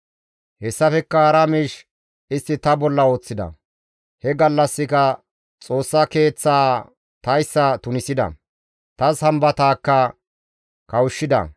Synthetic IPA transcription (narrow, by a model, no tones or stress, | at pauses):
hɛsːɐfɛkːɐɐɾɐmiːʃ | ɪst̪ːɪt̪ɐbɔlːɐo̞ːt͡sːɪd̪ɐ̰ | hɛɡɐlːɐsːɪkɐ | t͡sʼo̞ːsːɐke̞ːt͡sːaː | t̪ɐjsːɐt̪ʊnɪsɪd̪ɐ̰ | t̪ɐshɐmbɐt̪aːkːɐ | kɐwʊʃːɪd̪ɐ̰